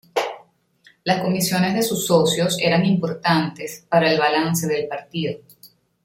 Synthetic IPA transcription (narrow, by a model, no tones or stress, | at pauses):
lasko̞misjo̞ne̞zðe̞susːo̞sjo̞se̞ɾaŋimpo̞ɾt̪ant̪e̞spaɾaelβ̞alanse̞ðe̞lpaɾt̪iðo̞